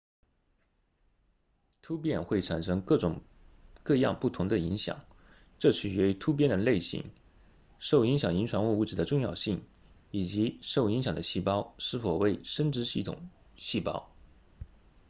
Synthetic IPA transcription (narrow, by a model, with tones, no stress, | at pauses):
t̪ʰu˥p̬jɛ˥˧nxwe˥˩ɪʈ͡ʂʰa˨˩nʂɤ˥ŋkɤ˥˩ʈ͡ʂʊ˨˩ŋ | kɤ˥˧jɑ̰˥˧ŋpu˥˩t̪ʰʊ˧˥ŋd̪ə˧i˧˥ŋɕjɑ̰˨˩˦ŋ | ʈ͡ʂɤ˥˧t͡ɕʰy˨˩t͡ɕɥɛ˧˥t̪ʰu˥p̬jɛ˥˩nd̪ə˨˩le˥˩ɪɕḭ˧˥˦ŋ | ʂo˥˩ʊi˧˥ŋɕjɑ˨˩ŋi˧˥ŋʈ͡ʂʰwa˧˥nu˥˧u˥˩ʈ͡ʂɻ̩˧˩d̪ə˦ʈ͡ʂʊ˥˧ŋjɑ˥˧ʊɕi˥˩ŋ | i˨˩t͡ɕi˧˥ʂo˥˩ʊi˧˥ŋɕjɑ˨˩d̪ə˦ɕi˥˩pɑ˥ʊʂɻ̩˥˩fo˨˩ʊwe˥˩ɪʂə˥nʈ͡ʂɻ̩˧˥ɕi˥˩t̪ʰʊ̰˨˩ŋ | ɕi˥˩pɑ̰˥ʊ